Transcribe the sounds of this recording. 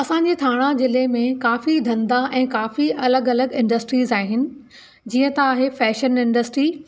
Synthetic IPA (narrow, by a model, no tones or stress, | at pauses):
ɐsãɲd͡ʑeːt̪ʰaːɽ̃azɪlemẽkaːfid̪ʱɐ̃nd̪aʔɛ̃ːkaːfiʔɐləɡɐləɡɪ̃ɳɖəsʈɾiːzaːɦɪnɪ̆ | d͡ʑiːə̃t̪aaːɦefɛːʃənɪ̃ɳɖəsʈɾiː